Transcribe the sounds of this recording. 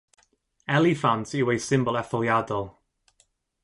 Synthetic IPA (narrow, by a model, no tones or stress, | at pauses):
ɛlifantʰɪwejsɪ̃mbɔlˠɛθɔjadɔlˠ